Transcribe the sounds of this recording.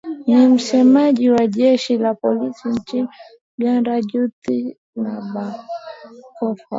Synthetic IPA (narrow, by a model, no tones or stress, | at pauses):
nim̩sɛmaʄiwaʄɛʃilapɔlisint͡ʃini | ɓjandaʄuti | naɓa | kɔfa̰